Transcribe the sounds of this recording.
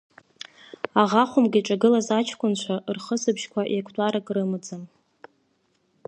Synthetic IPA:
aʁaχʷʊmɡʲiʈ͡ʂʼaɡɨlazat͡ʃʰkʷʊnt͡ʃʷʰaʔrχəsɨpʰʃkʷʰaʔjakʷʰtʷʼaɾakʼrɨmɨd͡zɨm

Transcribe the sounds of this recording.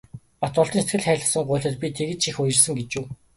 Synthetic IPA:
pat̪ɔɮt̪ɞ̆nset̪ɡɘ̆ɮχæːɮə̆sə̆ŋɢʊːɮʲə̆t̪̚pʲit̪ʰeɣɘ̆t̪ʃixʊjɪ̆rsə̆ŋɡet͡ɕuː

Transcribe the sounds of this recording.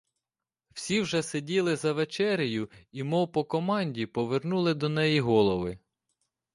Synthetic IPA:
w̥sʲiwʒɛsedʲilˠɪzɐʋet͡ʃɛɾʲijʊimɔwpɔkɔmɑnʲdʲipɔʋernulˠɪd̪ɔnɛjiɦɔlˠɔʋɪ

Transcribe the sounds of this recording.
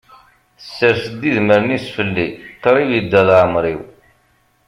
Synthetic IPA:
əsːəɾsəd̪ːiðməɾnisfəlːit̪ːəɾˤivjəd̪ːæðʕmɾiw

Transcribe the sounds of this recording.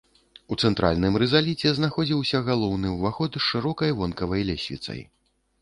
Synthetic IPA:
ut̪sɛnt̪ɾʔa̰lʲnɨmɾɛzalʲit͡sʲɛznaxɔd͡zʲiwsʲɐɣalˠɔwnɨwvaxɔt̪ɨʂɨɾɔkɐjvɔnkɐvɐjlʲɛsʲvʲḭt̪sɐ̰j

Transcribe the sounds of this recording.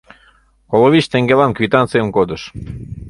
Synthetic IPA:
koloβit͡ɕt̪eŋɡelɑnkvit̪ɑnt̪t͡sejənkod̪əʃ

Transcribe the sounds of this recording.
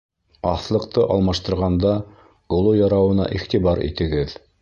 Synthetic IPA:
ɑθlˠɤ̆qt̪ɤʔɑlˠmɑʃt̪ɤ̆ɾʁɑnd̪ɑ | ɡ̥ŏlˠojɑɾɑwɤ̆nɑ̰ʔiχt̪iβɑɾḭt̪ɘ̆ɡɘð

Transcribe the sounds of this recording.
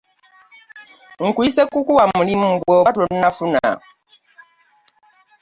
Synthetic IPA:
ŋ̩kuisekukuwamulim̩bɔatɔn̩nafuna̰

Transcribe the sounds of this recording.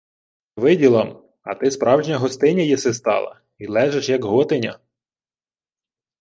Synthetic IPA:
ʋɪdʲilˠɐm | ɐ̰t̪ɪspɾɑwʒnʲɐɦɔst̪ɪnʲɐjɛsɛs̬t̪ɑ̰lˠɐ̰ | ilˠɛʒeʃjɐkɦɔt̪ɪnʲɐ̰

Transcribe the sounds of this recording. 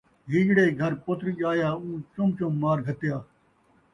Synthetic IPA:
ɦiːɡɽeːɡʱəɾpʊt̪ʰɾiʄaːjaːũːt͡ʃʊmt͡ʃõːmaːɾɡʱət̪jaː

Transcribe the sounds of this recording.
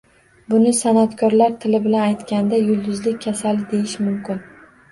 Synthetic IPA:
bʊnɪsanat̪kʰɒɾlaɾt̪ʰɪlɪbɪlanajt̪kʲand̪ajʊlˠd̪ʊzlɪkʲʰːasalɪd̪e̞jɪʃmʊmkʲɪn

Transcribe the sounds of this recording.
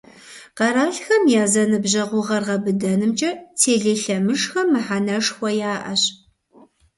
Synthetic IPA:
qɐɾaːɬxɐmjaːzɐnɨbʑɐʁʷʊʁɐrʁɐbɨdɐnɨmt͡ʃʼɐtʰeːɮeːɬɐmɨʂxɐmːɨħanɐʂxʷɔjaːʔɐ̰ɕ

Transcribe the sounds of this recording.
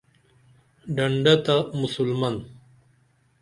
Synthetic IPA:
ɖɐɳɖɐt̪amusulmɐn

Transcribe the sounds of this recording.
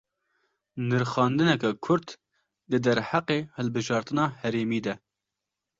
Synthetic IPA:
nɨɾxɑːnd̪ɨnɛkɛkʰʊɾt̪ | d̪ɨd̪ɛɾhaqeːhɨlbɨʒɑːɾt̪ɨnɑːhɛɾeːmiːd̪ɛ

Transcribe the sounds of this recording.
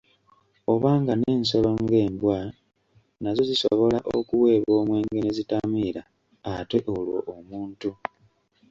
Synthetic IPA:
o̞βaːŋɡane̞ːnso̞loŋɡe̞ːmbwa | nazo̞zisoβo̞laʔo̰kuwe̞ːβo̞ːmwe̞ːŋɡe̞nezitamiɾaː | te̞ʔo̞lwo̞̰ʔomuːntu

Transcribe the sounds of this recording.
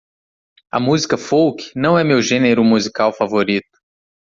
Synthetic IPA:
ɐ̰muzikɐfowkɪ̥nɐ̃w̃ɛmewʒẽneɾʊmuzikawfavoɾit̪ʊ̥

